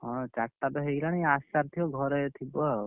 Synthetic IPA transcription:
ɦɔ̃t͡ʃak̚ʈ̪abeɦejlaniasaɾt̪ʰioɡʱɔɾet̪ʰibɔ

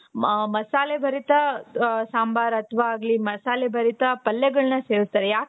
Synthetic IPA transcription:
mɐsaːlebʱɐɾit̪ɐsaːmbaːɾɐt̪ʰʋaːɡlimɐsaːlebʱɐɾit̪ɐpɐlːɛɡɐɭɐnɐseːɾust̪aːɾejaːk

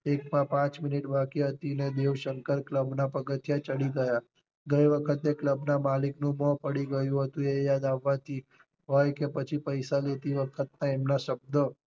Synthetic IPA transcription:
ekmãpãt͡ʃmɪniʈbakiɦət̪ined̪eʋʃəŋkəɾkləbnapəɡət̪ʰjat͡ʃəɽiɡəja | ɡəjʋəkʰət̪ekləbnamaliknũmɔpəɽiɡəjũɦət̪ũejad̪aʋːãt̪ʰi | ɦojkepət͡ʃʰipəjsalet̪iʋəkʰət̪̚nãemnaʃəb̚d̪o

